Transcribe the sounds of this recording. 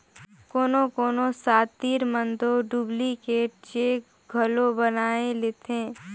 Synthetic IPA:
koːnõkoːnosaːt̪t̪iːɾmənd̪oɖuːblikeʈt͡ʃeːk | ɡʱəlõbənaːeleːt̪ẽː

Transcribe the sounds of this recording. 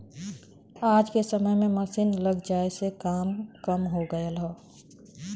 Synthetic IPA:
aːd͡ʒkesəməjmẽməsiːnləɡd͡ʒaːesekaːmkəmɦoɡəəlɦoː

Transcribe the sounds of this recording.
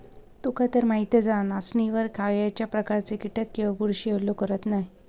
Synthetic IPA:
t̪ukat̪əɾmaɦit̪ed͡zanasniʋəɾkʰaʋjat͡ɕjapɾəkaɾt͡sekiʈəkːiʋaɡuɽɕielokəɾət̪naɦi

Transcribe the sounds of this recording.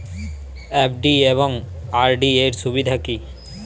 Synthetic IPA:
epʰɖieβoŋaɾɖieɾʃubid̪ʱaki

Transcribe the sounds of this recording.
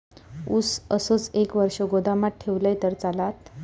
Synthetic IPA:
usə̰sət͡sekʋəɾʂəɡod̪amaʈ̚ʈʰeʋləjt̪əɾt͡salat̪

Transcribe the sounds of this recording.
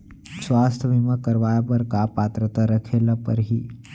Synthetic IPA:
sʋaːst̪ʰəʋimakəɾʋaːjapəɾkapaːt̪ɾət̪aɾəkʰeːlapəɾɦi

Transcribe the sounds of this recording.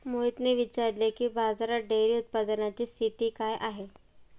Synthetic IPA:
moit̪neʋit͡ɕaɾlekiːbad͡zaɾaɖeɾiːut̪̚pad̪ənat͡ɕiːst̪ʰit̪iːkajʔaɦe

